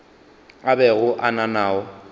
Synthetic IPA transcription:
abɛɣʊʔananaːɔ

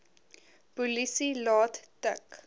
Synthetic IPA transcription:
pulisilɑːttək

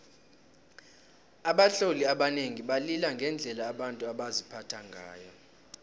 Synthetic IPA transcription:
aɓaɬoliaɓaneŋiɓalilaŋɡʱɛnd͡ɮʱɛlaːɓantʼuaɓazipʰatʰaŋɡʱa̰ːjɔ

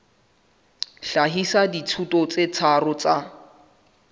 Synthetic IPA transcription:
ɬaɦisaditʰutʼɔt͡set͡sʰarʊt͡sa

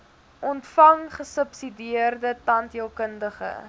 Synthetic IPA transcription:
ʔɔntfɐŋχəsəpsidiərdətɐntiəlˠkəndəχə̰

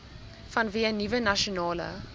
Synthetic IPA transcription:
fɐnviənivənaʃonɑːlə̰

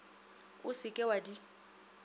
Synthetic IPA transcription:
ʊsɪkʼɛwadi

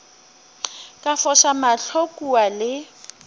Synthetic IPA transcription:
kʼafɔʃamaɬʰokʼualɪ

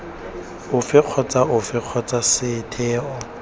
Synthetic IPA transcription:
ʊfɪq͡χʰɔt͡sʼaʊfɪq͡χʰɔt͡sʼasɪtʰɛːɔ

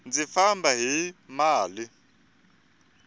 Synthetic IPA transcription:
nd͡zifambʱaɦimaːli

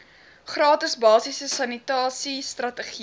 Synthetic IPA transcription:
χrɑːtəsbɑːsisəsɐnitɑːsistrɐtəχi

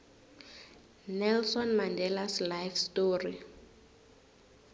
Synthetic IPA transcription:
nɛlsɔnmandɛlaslajfstoːri

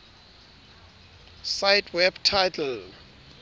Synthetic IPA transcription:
sajtʰwɛbtʰajtʰɛl

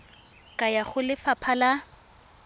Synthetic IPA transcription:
kʼajaχʊlɪfapʰala

